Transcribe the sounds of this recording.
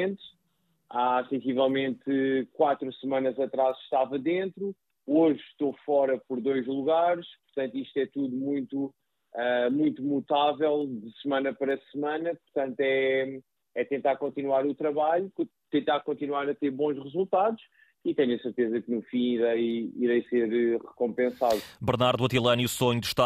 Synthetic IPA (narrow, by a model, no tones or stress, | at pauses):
ẽnt̪ʃ | asẽsivɛlˠmẽnt̪kwat̪ɾusɨmɐ̃nɐzɐt̪ɾazʃt̪avɐðẽnt̪ɾu | oʒʃt̪ofɔɾɐpɔɾd̪ojʒlˠuɣaɾʃpuɾt̪ɐ̃nt̪uiʃt̪ɛt̪uðumũj̃t̪u | ɛmũj̃t̪umut̪avɛlˠd̪ɨsɨmɐ̃nɐpɐɾɐsɨmɐ̃nɐpuɾt̪ɐ̃nt̪wɛ | ɛt̪ẽnt̪aɾkõnt̪inwaɾut̪ɾɐβaʎukt̪ẽnt̪aɾkõnt̪inwaɾɐt̪eɾβõʒʁɨzulˠt̪aðuʃ | it̪ɛɲɐsɨɾt̪ezɐknufĩiɾɐjiɾɐjseɾɨʁɨkõmpẽsaðubɨɾnaɾðuwɐt̪ilˠɐniusoɲud̪ɨʃt̪a